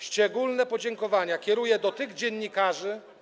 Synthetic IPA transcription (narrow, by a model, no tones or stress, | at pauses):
ɕt͡ʂɛɡulnɛpɔd͡ʑɛŋkɔvaɲakʲɛɾujɛd̪ɔt̪ɘɣd͡ʑɛɲːikaʐɘ